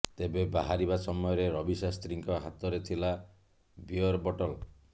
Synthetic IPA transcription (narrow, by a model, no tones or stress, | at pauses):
t̪ebebaɦaɾibasɔmɔjɔɾeɾɔbisast̪ɾiŋkɔɦat̪ɔɾet̪ʰila | biɔɾbɔʈɔl